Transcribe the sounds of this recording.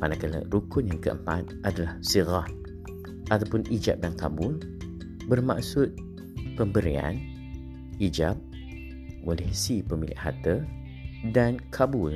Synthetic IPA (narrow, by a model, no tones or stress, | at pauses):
manakalə̰ɾukʊnjaŋkəʔə̰mpat̪̚ʔadalahsiɣa | ʔat̪awpʊnid͡ʒa̰p̚danka̰bʊl | bərma̰ʔsʊt̪̚ | pəmbəɾḭa̰n | ʔid͡ʒap̚ː | ulɛhsipəmilɪ̰ʔha̰t̪ə | dankʰabʊl